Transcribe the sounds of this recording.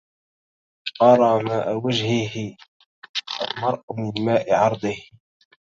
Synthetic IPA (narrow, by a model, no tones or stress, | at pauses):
qɑɾˤɑːmaːʔawad͡ʒhɪɦɪ | a̰lmɑɾˤʔmɪnmaːʔɪʕɑɾˤd̪ˤɪh